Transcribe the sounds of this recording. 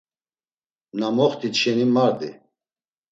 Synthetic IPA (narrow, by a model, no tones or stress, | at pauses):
namɔχt̪ʰit̪ʃɛnimaɾd̪i